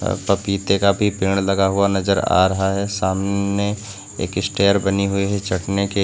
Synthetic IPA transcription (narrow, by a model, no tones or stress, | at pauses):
pɐpiːt̪ekabʱipɪːɽ̃lɐɡaɦʊanɐzəɾa̰ːɾɐɦaɦɛsaːmne | ḛːkɪsʈeːəɾbɐniɦʊiɦɛt͡ʃɐʈneke